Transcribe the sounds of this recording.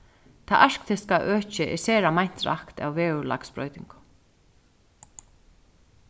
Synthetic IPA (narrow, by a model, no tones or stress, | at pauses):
t̪ʰaʔaʂkt̪ʰɪskaʔœːt͡ʃɪʔɛ̰sɛːɾamajn̥t̪ɾa̰hkt̪a̰wvɛːʉla̰kspɾo̰ːɥt̪ɪŋkʊ̥